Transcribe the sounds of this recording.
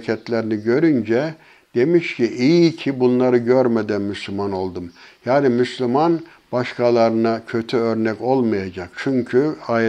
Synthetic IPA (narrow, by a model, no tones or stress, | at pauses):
cʰɛt̪lʲeɾiniɟø̞ɾynd͡ʒɛ | d̪̥e̞miʃciʔijcʰibunlˠaɾɯɟøɾmɛd̪ænmyslʲymano̞lˠd̪umjaːnimyslʲyman | b̥aʃkʰalˠaɾɯnacʰø̞t̪ʰyøɾnɛco̞lˠmajad͡ʒak̚t͡ʃʰyɲcʰya